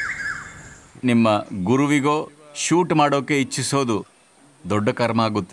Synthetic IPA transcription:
nimːɐɡuɾuʋiɡoːʃuːʈmaːɽoːkːeit͡ʃːiso̞ːd̪u | d̪ɔɖːɐkɐɾmɐaːɡut̪ːe

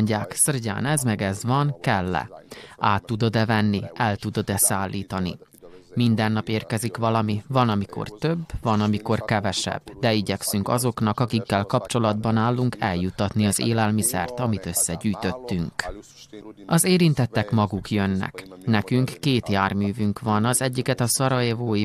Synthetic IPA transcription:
ɲɟaːksrɟa̰ːnɛzmɛɡɛzʋɒnkɛlːɛ̰aːt̪ːud̪o̞d̪ɛvɛnːiʔɛlt̪ud̪o̞d̪ɛsaːlːiːt̪ɒnḭ | mind̪ɛnːɒpeːrkɛzikʋɒlɒmivɒnɒmiko̞̰rt̪øbːvɒnɒmiko̞rkɛvɛʃɛ̰bːd̪ɛiɟɛksyŋkɒ̰zo̞kn̪ɒkɒkikːɛlkɒpt͡ʃo̞lɒd̪bɒnaːlːuŋkʰɛljut̪ːɒt̪niɒzḛːlɛlmisɛ̰rt̪ɒmit̪ø̞sːɛɟyːjt̪ø̞t̪ːyŋk | ɒzeːɾint̪ɛt̪ːɛkmɒɡukjønːɛ̰knɛkyŋkːeːt̪jaːrmyːvyŋkʋɒnɒzɛɟːikɛt̪ɒsɒɾɒjvoːi

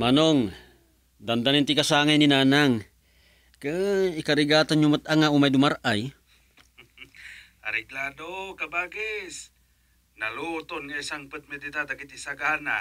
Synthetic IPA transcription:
manoŋ | d̪and̪anint̪ikasaːŋajninaːnaŋ | kəikaɾɪɡaːt̪anɲʊmat̪̚aŋaʔʊmajd̪ʊmaɾʔaj | aɾɛɡlad̪okabaːɡɪs | nalut̪onŋaisaŋpət̪̚mɛt̪it̪at̪akit̪isaɡana

